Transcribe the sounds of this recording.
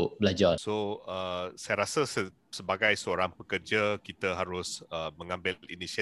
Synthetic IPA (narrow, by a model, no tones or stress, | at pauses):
blad͡ʒarsoəsajɾasəsə | səbaɡajsəoɾaŋpəkərd͡ʒəkit̪əɦaɾʊsəmə̃ŋãmbɪlḭnisa